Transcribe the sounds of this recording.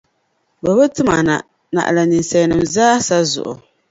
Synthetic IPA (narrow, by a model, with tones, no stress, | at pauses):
ba˨bɨ˦tɨ˦ma˨na̰˨ | na̰˨ʔla˨ni˨n˨sɛ˨nɨ˨mzaː˦sa˦zʊ̰˨ʔʊ̰˨